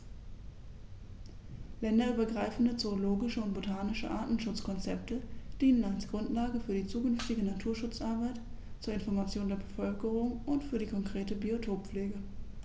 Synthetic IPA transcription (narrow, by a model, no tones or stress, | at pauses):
lɛndɐyːbɐɡʁaɪfn̩dət͡sooloːɡɪʃəʊnt̚b̥otʰaːnɪʃə̰ʔa̰ɐtn̩ʃʊt͡skʰɔnt͡sɛptəd̥iːnənalsɡ̥ʁʊntlaːɡəfyːɐdiːt͡suːkʏnftɪɡənatʰuːɐʃʊt͡sʔaɐbaɪt | t͡suːɐɪnfɔɐmat͡sjoːndeːɐbəfœlkəʁʊŋʊntfyːɐdiːkʰɔŋkʁ̥eːtəbiotʰoːpp͡fleːɡə